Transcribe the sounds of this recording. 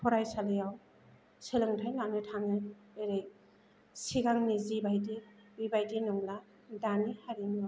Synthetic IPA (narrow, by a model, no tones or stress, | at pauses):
pʰɔɾajsalɯjaw | selɯŋtʰajlamnɯtʰaŋɯeɾej | siɡaŋnizibajdibibajdinɔŋla | danihaɾinɔ